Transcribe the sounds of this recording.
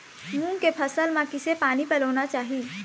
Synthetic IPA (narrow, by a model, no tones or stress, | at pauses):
muŋkepʰəsəlmakːisepanipələʋnat͡ɕaɦiː